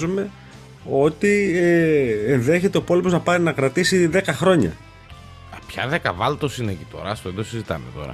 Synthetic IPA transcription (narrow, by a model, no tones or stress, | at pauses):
zume̞ | o̞t̪ieenðe̞çe̞t̪e̞opo̞lipo̞znɐpɐɾinɐkɾɐt̪isiðe̞kɐxɾo̞ɲɐ̰ | ɐpçɐ̰ðekɐvɐlt̪osinecit̪o̞̰ɾɐst̪oend̪osizit̪ɐ̰met̪o̞̰ɾɐ̰